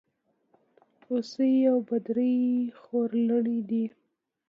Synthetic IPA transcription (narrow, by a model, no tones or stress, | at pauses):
osəawbad̪ɾəjxoɾləɽid̪i